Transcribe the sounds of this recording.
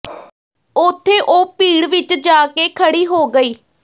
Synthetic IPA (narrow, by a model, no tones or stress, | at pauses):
ʊt̪ʰːeːʔoːpiːɽʋɪt͡ʃd͡ʒaːkeːkʰəɽiːɦoːɡəiː